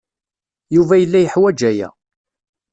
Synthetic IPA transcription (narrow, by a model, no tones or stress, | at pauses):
juvæjəlːæjəħwæd͡ʒæjæ̰